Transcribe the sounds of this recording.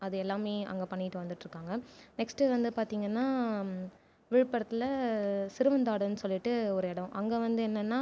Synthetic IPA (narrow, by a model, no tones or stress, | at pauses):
ɐðɯɛlːaːmeːɐ̰ŋɡɐpɐɳːɪʈːɯʋɐnd̪ɯʈːɾɯkːaːŋɡɐnɛksʈɯʋɐnd̪ɯpaːɾt̪iːŋɡɐnːaː | ʋɪɻɯpːɐɽɐt̪ːɪlɐsɪɾɯʋɐnd̪aːɽɯnːɯsɔlːɪʈːɯɔɾɯɛɽɐ̃ʔɐŋɡeʋɐnd̪ɯɛnːɐnːaː